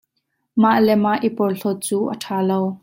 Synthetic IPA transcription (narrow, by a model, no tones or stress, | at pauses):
maʔlɛmaʔipɔrɬɔt̪̚t͡suːʔə̰ʈʰaːlow